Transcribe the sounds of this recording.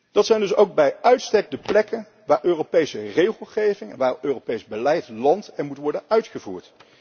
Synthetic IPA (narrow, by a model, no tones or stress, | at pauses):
d̥ɑtsɛjndɵsowɡ̚bɛjœɥtstɛk̚dəplɛkən | ʋaːɹʔøːropejsərejχəlˠχejvɪŋɛ̰nʋaːrøːropejzbəlɛjtlɑntɛnmutʋɔɹdənœɥtχəvṵːɹt